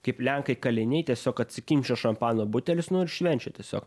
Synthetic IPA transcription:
kɐɪplʲæŋkɐɪkɐlʲɪnʲɛɪjt̪ʲiɛsʲoːkɐt̪ʲsʲɪkʲɪmʲt͡ʃʲoːʃɐmpɑːnoːbʊt̪ʲɛlʲɪsnʊɪɾʃʲʋʲɛnʲt͡ʃʲɛt̪ʲiɛsʲo̰ːk

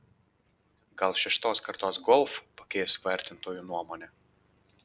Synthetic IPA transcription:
ɡɐlˠʃʲɛʃt̪oːskɐɾt̪oːsɡɔlˠfpɐkʲɛjɛsʲʋɐɾʲt̪ʲɪnt̪oːjuːnuɔmoːnʲɛ

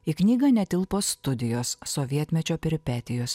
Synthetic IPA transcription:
iːknʲiːɡɐnʲɛt̪ʲɪlˠpoːst̪ʊd̪ʲɪjoːsːoʋʲiɛt̪ʲmʲɛt͡ʃʲoːpʲɪɾʲɪpʲæt̪ʲɪjoːs

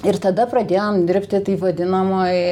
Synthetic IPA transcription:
ɪrt̪ɐd̪ɐpɾɐd̪ʲeːjoːmd̪ʲɪɾʲpʲt̪ʲɪt̪iːpʋɐd̪ʲɪnɐmoːj

